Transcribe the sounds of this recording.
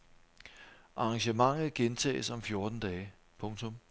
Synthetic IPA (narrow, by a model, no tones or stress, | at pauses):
ʔɑ̈ːŋɕəmɑ̈ŋ̰ð̩ˠɡ̥ent͡sʰɛ̰ːsɒ̽mfjo̝ɐd̥n̩d̥ɛːɪ | pʰɔ̽ŋt͡sʰɔ̽m